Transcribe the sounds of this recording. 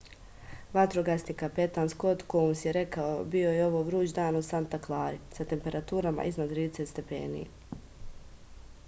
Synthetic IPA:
ʋat̪ɾoɡasnikapet̪anskot̪komsjeɾe̞kaobio̞jeo̞ʋoːʋɾuːd͡ʑd̪aːnosant̪aklˠaːɾisat̪e̞mpe̞ɾat̪uːɾama̰ʔizmad̪t̪ɾiːd̪eset̪st̪epḛːnḭjḛ

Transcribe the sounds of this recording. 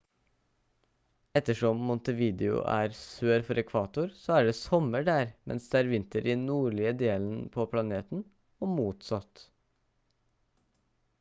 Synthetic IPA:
ɛt̪ːəʂɔmːɔnt̪əʋiːd̪ɪʊ̰ʔæ̰ːɾsøːɾfɔɾɛkʰʋɑːt̪ʊɾsoːæːɖeːsɔməɖæːɾmɛ̰nsd̪eːæːɾʋɪnt̪əɾɪnuːɭɪəd̪eːln̩pʰoːpʰlɑneːt̪n̩ | oːmuːt̪sɑt̪

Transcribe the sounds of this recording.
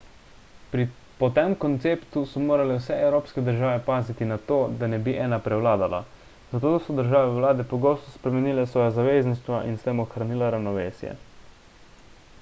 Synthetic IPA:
pɾi | pɔt̪emkɔnt̪seːpt̪usɔmoːɾalɛwsɛɛwɾoːpskɛd̪əɾʒaːʋɛpaːzit̪inat̪oːd̪anɛbiʔɛːnapɾɛwlaːd̪ala̰ | zat̪oːd̪sɔd̪əɾʒaːʋɛwlaːd̪ɛpɔɡoːst̪ɔspɾɛmɛniːlɛsʋɔːjazaʋeːzniʃt̪ʋaʔinst̪eːmɔxɾaniːlaɾawnɔʋeːsjɛ̰

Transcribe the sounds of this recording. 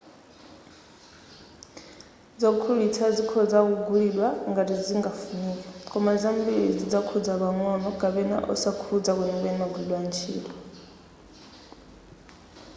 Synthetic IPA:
d͡zɔkʰuɺitʰad͡zikʰɔd͡zak̬uɡuɺilwaŋɡatid͡ziŋɡafuniːkakʰʼɔmad͡zambiɺid͡zid͡zakʰɔd͡zaβaŋɔnɔɡ̥aβɛna̰ʔɔ̰sakʰud͡zak̬unɛŋbɛnaɡulilwant͡ʃʰḭːlɔ

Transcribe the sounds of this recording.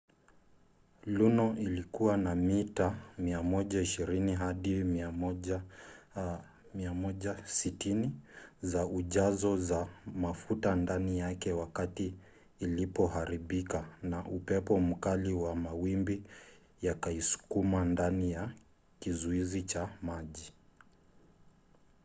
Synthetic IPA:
lunɔʔilikuwanamitamiamɔʄaiʃiɾiniɦaɗimiaɔ | miamɔʄasitinizauʄazɔzamafutandanijakɛwakatiː | lipɔɦaɾiɓikanaʔupɛpɔm̩kaliwamawimbi | jakaisu̥kumandanija | kizuizit͡ʃamaʄi

